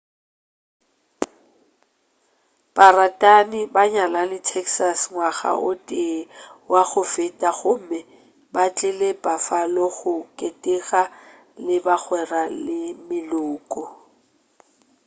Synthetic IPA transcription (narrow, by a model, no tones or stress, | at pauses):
b̥aratʼanɪbaɲalanɪtʰɛkʰsasŋwaɣa̰ʔʊtʼɪwaɣʊfɪtʼaɣʊmɛ | bat͡ɬʼɪlepʼafalɔɣʊkʼetʼɪɣa | lɪbak͡xwɛralɪmɪlʊːkʼɔ